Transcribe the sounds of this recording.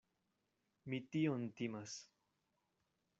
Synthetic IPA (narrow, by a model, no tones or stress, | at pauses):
mit̪iont̪imas